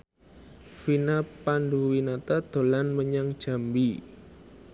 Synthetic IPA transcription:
finapanduwinat̪ad̪̥o̤lanməɲaŋd̥ʒ̥a̤mbi

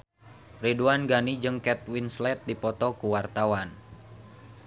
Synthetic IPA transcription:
riduanɡanid͡ʒɨŋkɛt̪̚winslɛt̪̚dipɔt̪ɔkuwart̪awan

